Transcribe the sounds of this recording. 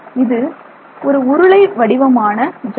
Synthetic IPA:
ɪðɯ | ɔɾɯʊɾɯɭɐɪʋɐɽɪʋɐmaːnɐd͡ʒ

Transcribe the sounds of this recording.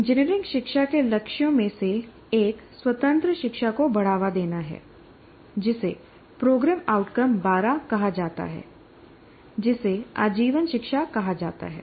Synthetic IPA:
d͡ʒɪniɾɪ̃ŋɡʃɪkʃakelɐkʃjõmẽse | eːkswɐt̪ə̃nt̪ɾəʃɪkʃakobɐɽ̤aːʋad̪eːnaɦɛ̰ː | d͡ʒɪse | pɾoːɡɾɛːmaːʊʈkəmbaːɾakɐɦad͡ʒaːt̪a̰ɦɛ̰ː | d͡ʒɪsea̰ːd͡ʒiːʋənʃɪkʃakɐɦad͡ʒa̰ːt̪a̰ɦɛ̰ː

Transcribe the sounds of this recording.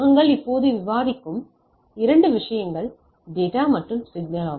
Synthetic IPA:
ɣɐŋɡɐɭɪpːoːðɯʋɪʋaːðɪkːɯm | ɪɾɐɳɖɯʋɪʂɐjɐŋɡɐɭ | ɖeːʈaːmɐʈrɯmsɪɡnɐlaː

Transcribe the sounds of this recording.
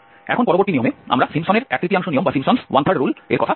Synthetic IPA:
ɛ̰kʰonpɔɾoboɾtʈ̪iniomea̰mɾasimsɔneɾɛ̰k̚t̪ɾit̪iaŋʃonijombasimsɔnswantʰaɽɾulḛɾkɔt̪ʰa

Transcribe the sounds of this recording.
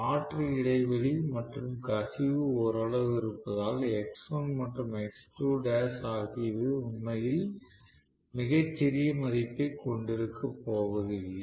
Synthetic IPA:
aːʈriɪɽɐɪʋɐɭimɐʈrɯmkɐsɪʋɯɔɾɐɭɐʋɪɾɯpːɐðaːlɛksonmɐʈrɯmɛksʈuːɖaːsaːɣɪjɐðɯʊnmɐjɪl | mɪɣɐt͡ʃːɛɾɪjɐmɐɾɪpːɐɪkɔɳɖɪɾɯkːɐpːoːʋɐðɯlːɐ

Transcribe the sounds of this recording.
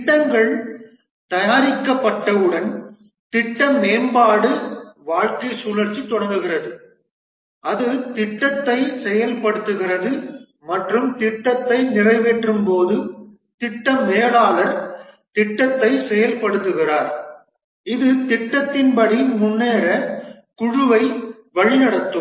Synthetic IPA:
ʈːɐŋɡɐɭ | t̪ɐjaːɾɪkːɐpːɐʈːɐɯɽɐn | t̪ɪʈːɐmeːmbaːɽɯʋaːɻkɐɪsuːlɐɾt͡ʃit̪ːɔɽɐŋɡɯɣɪrɐðɯ | ʔɐðɯt̪ɪʈːɐt̪ːɐɪsɛjɐlpɐɽɯt̪ːɯɣɪrɐðɯ | mɐʈrɯmt̪ɪʈːɐt̪ːɐɪnɪrɐɪʋeʈrɯmpoːðɯ | t̪ɪʈːɐmeːɽaːlɐɾt̪ɪʈːɐt̪ːɐɪsɛjɐlpɐɽɯt̪ːɯɣɪraːɾ | ɪðɯt̪ɪʈːɐt̪ːɪnpɐɽimʊnːeːɾɐ | kʊɻʊʋɐɪ | ʋɐɻɪnɐɽɐt̪ːɯm

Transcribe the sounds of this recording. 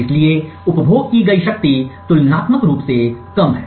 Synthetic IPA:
ɪslie | ʊpbʱoːɡ̚kiɡɐiʃɐk̚t̪it̪ʊlnaːt̪məkɾuːpsekɐmɦɛː

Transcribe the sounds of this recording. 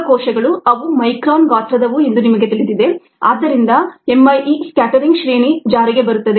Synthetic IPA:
kɔːʃɐɡɐɭuɐʋumɐjkɾaːnʋaːt̪ɾɐd̪ɐʋuend̪unimɐɡe̞t̪iɭit̪id̪e | a̰ːd̪ːɐɾind̪ɐemːɐjiskaːʈɐɾiŋɡʃɾeːnid͡ʒaːɾiɡe̞bɐɾut̪ːɐd̪e

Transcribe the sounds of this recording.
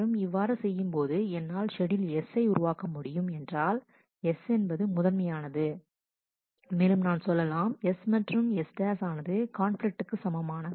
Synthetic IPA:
ɯmɪʋːaːɾɐsɛjːɯmpoːðɯɛnːaːlʂɛɽɪlɛsːɐɪʊɾʊʋaːkɐmʊɽɪjɯmɛndraːl | ɛsɛnbɐðɯmʊðɐlmɐjaːnɐðɯ | meːlɯmnaːnsɔlːɐlaːmɛsmɐʈrɯmɛsʈaːsaːnɐðɯkaːnflɪk̚ʈɯkːɯsɐmɐmaːnɐ

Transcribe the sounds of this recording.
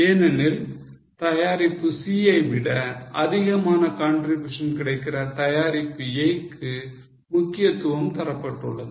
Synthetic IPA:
eːnɐnɪl | t̪ɐjaːɾɪpːɯsiːɐɪʋɪɽɐɐðɪɣɐmaːnɐkaːɳɖrɪbjuːʂɐnkɪɽɐɪkːɪrɐt̪ɐjaːɾɪpːɯɐjkːɯ | mʊkːɪjɐt̪ːɯʋɐmt̪ɐɾɐpːɐʈːɯɭːɐðɯ

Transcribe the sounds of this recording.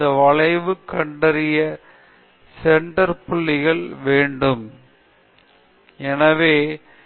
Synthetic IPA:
ɐʋɐɭɐɪʋɯkːɐɳɖɐɾɪjɐ | sɛɳɖɐɾpʊɭːɪɣɐɭʋeːɳɖɯm | ɛnɐʋeː

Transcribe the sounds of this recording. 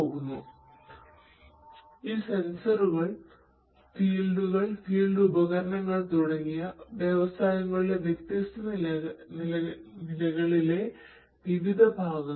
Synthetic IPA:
oːɣunːu | iːsensɐruɣɐɭ | fiːɭɖuɣɐɭfiːɭɖuubɐɣɐɾɐɳɐŋːɐɭt̪uɽɐŋːijɐʋje̞ʋɐsaːjɐŋːɐɭileʋjekt̪ist̪ɐnnnilɐɣɐɭile̞ | ʋiʋid̪ʱɐbʱaːɡɐ

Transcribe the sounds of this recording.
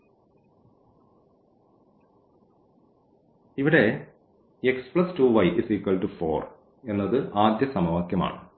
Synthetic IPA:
iʋiɽe̞ | ekspɭɐstuːʋɐjʔisiːkːɐlʈufo̞ːr | e̞nːɐðɨʔaːd̪jɐsɐmɐʋɐkjɐma̰ːɳɨ

